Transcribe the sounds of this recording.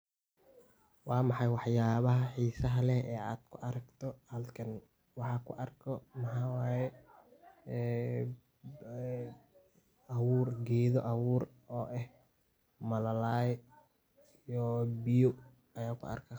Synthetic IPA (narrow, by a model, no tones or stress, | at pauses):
wɑːmɑħɑjwɑħjaːβɐɦɐħiːsɐɦɐlɛhɛːaːd̪̥kʰʊʔɐɾɐɡt̪ʰɔhɐlkʰɐn | wɑħɑːkʰʊʔɐrkʰɔmɐħɑːwaːjɛ | ɐwuːrɡɛːðɔʔɐwuːr | ɔːʔɛh | mɐlɐlaːj | ijɔbɪjɔ | ɐjaːkʰʊ̰ʔɐ̰rkʰɐ